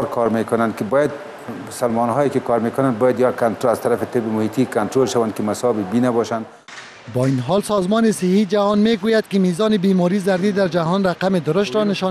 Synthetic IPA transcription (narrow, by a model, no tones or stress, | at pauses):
ɾkʰɔɾmekʊnand̪kɪbɔjad̪̚ | ʊsalmɔnɦɔekɪkɔɾmekʊnanbɔjad̪jakant̪ɾaz̥t̪aɾafɪt̪ɪbɪmʊhit̪ikant̪ɾolʃawankɪmasɒbibinabɔʃan | bɔinɦɔlsɒzmɔnɪsɪhid͡ʒahɔnmeɡojad̪̚kɪmizɒnɪbimɔɾizaɾdid̪aɾd͡ʒaɦɔnɾaqamɪd̪ʊɾʊʃt̪ɾɔnɪʃɔ